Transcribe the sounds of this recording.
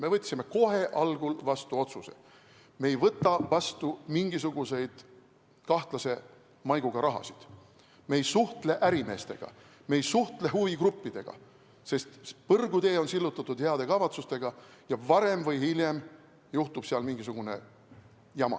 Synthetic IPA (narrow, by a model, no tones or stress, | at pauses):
me̞vɤt̪ʲːsimːe̞ko̞ɦe̞ʔɑlɡ̥ulvɑst̪uo̞t̪suse̞̰ | me̞jvɤt̪ːˑɑvɑst̪umiŋɡ̥isuɡ̥use̞jd̪̥ | kɑht̪lɑse̞ | mɑjɡ̥uɡ̥ɑɾɑɦɑ̰sid̪̥ | me̞jsuht̪le̞ʔæɾime̞ːst̪e̞̰ɡ̥ɑ̰ | mejsuht̪le̞ɦuviɡrupːid̪̥e̞ɡ̥ɑ̰ | se̞st̪pɤrɡud̪e̞ːo̞nsilːut̪ːˑɑt̪ːˑud̪̥heɑd̪̥e̞kɑvɑt̪sust̪e̞ɡ̥ɑjɑvɑɾe̞mvɤjhilʲje̞m | juht̪ub̥seɑlmiŋɡ̥is̬uɡ̥une̞̰ | jɑmɑ̰